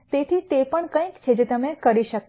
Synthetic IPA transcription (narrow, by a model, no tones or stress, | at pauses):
t̪et̪ʰit̪epəɳkə̃ĩkt͡ʃʰed͡ʒet̪əmekəɾiʃək